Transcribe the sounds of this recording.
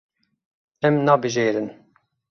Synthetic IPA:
ɛmnɑːbɨʒeːɾɨn

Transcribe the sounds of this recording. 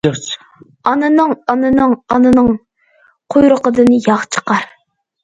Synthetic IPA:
t͡ʃ | ɑnɨnɨŋɑnɨnɨŋɑnɨnɨŋ | qʰujɾʊqəd̪ɨnɨjɑʁt͡ʃʰə̥qɑɾ

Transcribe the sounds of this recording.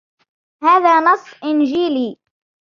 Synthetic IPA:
haːðaːnɑsˤːʔɪnd͡ʒiːliː

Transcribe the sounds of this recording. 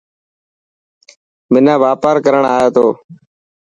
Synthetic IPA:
mɪnãːʋaːpaːɾkəɾəɳaːjeːt̪ʰoː

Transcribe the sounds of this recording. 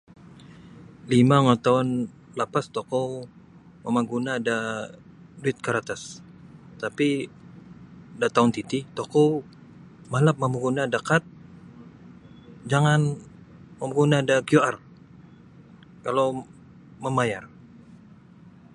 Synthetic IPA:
limaŋat̪aʊn | lapast̪okɔw | məmaɡunaːda | duɪt̪̚kaɾat̪as | t̪api | dat̪aʊnt̪it̪ɪt̪okɔw | malap̚mamaɡunadakat̪̚ | d͡ʒaŋan | məmaɡunaːdakjuar | kalow | məmajar

